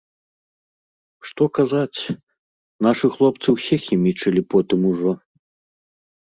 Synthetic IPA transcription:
ʂt̪ɔkazat͡sʲ | naʂɨxlˠɔp̚t̪sɨwsʲɛxʲimʲit͡ʂɐlʲipɔt̪ɨmuʐɔ

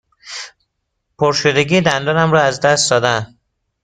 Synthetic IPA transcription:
pʰoɾʃod̪eɟiːd̪ænd̪ɒːnæmɾɒːæzd̪æst̪d̪ɒːd̪æn

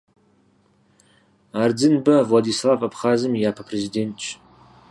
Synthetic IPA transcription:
aːrd͡zɨnbɐvlad̪iːslˠaːvabχaːzɨmjaːpʰɐpʰrezideːntt͡ʃʼ

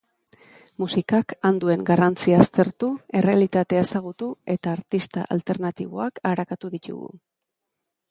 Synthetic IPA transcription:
musikakand̪ue̞ŋɡarant͡siaːst̪e̞ɾt̪ue̞re̞alit̪at̪e̞aesaɣ̞ut̪ue̞t̪aːɾt̪ist̪aʔa̰lt̪e̞ɾnat̪iβ̞o̞̰akaɾakat̪uðic̪ṵɣṵ

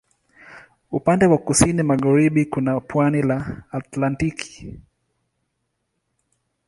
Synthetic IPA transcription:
upandɛwakusinimaɣaɾiɓikunapwanilaːtlantiki̥

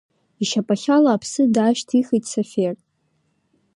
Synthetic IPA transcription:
iʃapʼaχʲalaːpʰsɨdaʃtʰiχijtʼsafʲer

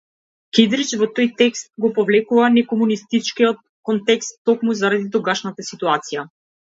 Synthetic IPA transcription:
kid̪ɾit͡ʃvɔt̪ɔjt̪ɛkst̪̚ɡɔpɔvlɛkuvanɛkɔmunist̪it͡ʃkijɔt̪̚kɔnt̪ɛkst̪ːɔkmuzaɾad̪id̪ɾuɡaʃnat̪asit̪uat̪sija

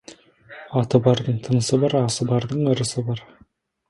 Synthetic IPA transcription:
ɑt̪əbɑɾd̪əɴt̪ʰənəsəbɑɾɑsəbɑɾd̪əɴɵ̆ɾəsəbɑɾ

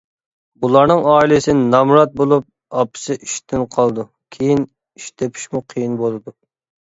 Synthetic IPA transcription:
bulˠɑɾnɨŋɑːilɨsɪnnɑmɾɑt̪̚bolˠup̚ | ɑpʰɨ̥sɪʔiʃt̪ʰɪnqʰɑlˠd̪u | kʲʰejin | iʃt̪ʰepʰi̥ʃmuqʰijinbolˠɨd̪u

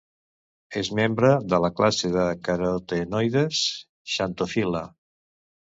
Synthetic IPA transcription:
ezmembɾəðələklaseðəkəɾot̪enojðes | ʃant̪ofila

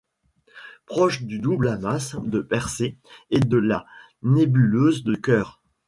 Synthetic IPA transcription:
pχɔʃd̪yd̪ublamasd̪əpɛʁseːd̪əla | nebyløzd̪əkʲœːʁ

